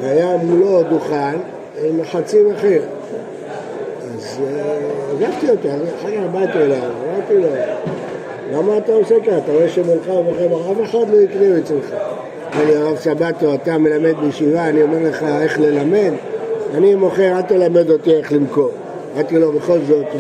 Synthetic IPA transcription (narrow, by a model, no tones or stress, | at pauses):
veajamulo̞d̪uχan | imaħat͡simaχeʁ | az | aɡavt̪iot̪iazħakaabajt̪olavamaʁt̪ilo | lamaːt̪aosekaat̪aʁoeʃemolχaemoχemaʁaveħad̪lo̞ikʁiuet͡slχa | aliaavsabat̪oat̪ame̞lame̞d̪̚bejʃivaːnio̞meʁleχae̞χle̞lame̞d̪animo̞χeʁad̪̚t̪elame̞d̪o̞t̪ie̞χlimko̞m | at̪ilo̞be̞χo̞lzo̞t̪